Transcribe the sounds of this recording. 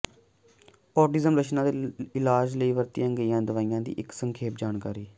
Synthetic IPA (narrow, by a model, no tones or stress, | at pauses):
ɔːʈɪzəmɾət͡ʃʰnãːd̪eɪlaːd͡ʒləiːʋəɾt̪ɪjãːɡəiːãːd̪əʋaːijãːd̪ḭːʔɪksəŋkʰeːp̚d͡ʒaːnkaːɾiː